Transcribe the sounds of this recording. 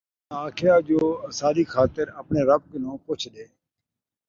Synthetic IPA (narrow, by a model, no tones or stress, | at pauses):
aːkʰɪjaːd͡ʒoːəsaːliːxʰaːt̪əɾəpneːɾəb̚kɪnõːpʊt͡ʃʰd̪eː